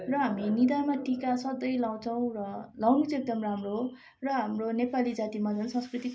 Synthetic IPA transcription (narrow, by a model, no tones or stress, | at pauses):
rʌɦaminid̪amaʈʰikasʌd̪ʌjlaw̃t͡sʰʌw̃rʌlawnut͡sek̚d̪ʌmramro | rʌɦamronepalid͡zat̪imad͡zʌnsʌ̃nskrit̪i